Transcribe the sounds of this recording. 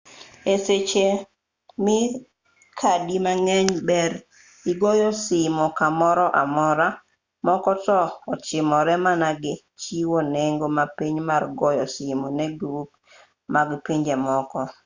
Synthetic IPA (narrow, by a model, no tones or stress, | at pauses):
eset͡ʃe | mɪ | kʰadimaŋɛɲbɛɾ | iɡɔjɔsɪmɔkamɔɾɔʔa̰mɔɾa | mɔkɔtɔɔt͡ʃɪmɔɾɛmanaɡɪ | t͡ʃiwoneŋɡomapiɲmarɡɔjɔsɪmonɛɡɾuk̚ | maɡpiɲd͡ʒɛmɔkɔ